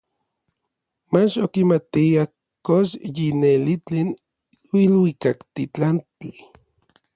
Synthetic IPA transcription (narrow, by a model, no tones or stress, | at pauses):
mat͡ʃokimat̪ia | kosjinelit͡ɬin | wilwikakt̪it͡ɬant͡ɬi